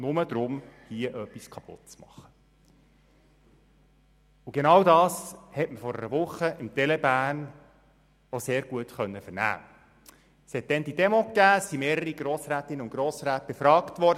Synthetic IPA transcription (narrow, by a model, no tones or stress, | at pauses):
nʊməd̪ɾʊmhiəʔœpːiskʰɑpʊ̰t̚t͡smɑ̰χːə̥ | ʊɡ̥enɑwdɑːshɛtməfɔɾə̰ɾəʋʊχːəɪmt̪ɛlɛbæːn | oseːɾɡ̥uətχœnːəfəɾnæ̰ː | shɛt̚d̥ɛnd̪idɛmɔkːæːsimeːɾəɾiɡ̥ɾoːsɾæːtɪnəʊnɡ̥ɾɔːsɾæːt̚b̥efɾɑːktʋɔɾd